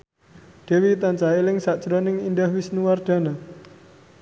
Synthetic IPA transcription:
d̪̥e̤wit̪ant͡ʃailɪŋsaʔt͡ʃɾɔnɪŋind̪ahwisnuward̪̥a̤na

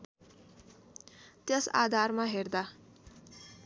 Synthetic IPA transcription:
t̪jesa̰d̪ʱaɾmaɦeɾd̪a

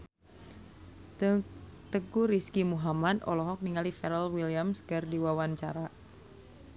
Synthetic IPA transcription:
t̪əɡuɾiskimuɦamad̪ɔ̰lɔɦɔk̚niŋalifɛɾəlwiliamskərdiwawant͡ʃa̰ɾa

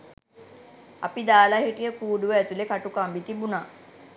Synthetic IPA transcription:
a̰pid̪aːlaɦiʈijəkuːɖuʋəæt̪ulekaʈukambit̪ibunaː

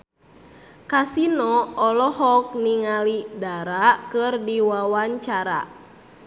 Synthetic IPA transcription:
kasinɔɔlɔhɔk̚niŋalidaɾakɨrdiwawaɲt͡ʃaɾa̰

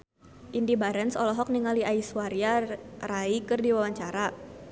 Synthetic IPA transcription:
ʔindibaɾɛnsɔlɔɦɔk̚niŋaliʔaiswaɾjaraikɨrdiwawaɲt͡ʃaɾa

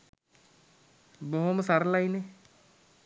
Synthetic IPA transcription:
bɔɦomsaɾlaine

